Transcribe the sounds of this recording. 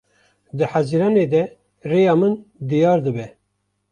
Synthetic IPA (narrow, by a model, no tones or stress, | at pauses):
d̪ɨħæziɾɑːned̪ɛ | reːjɑːmɨnd̪ijɑːɾd̪ɨbɛ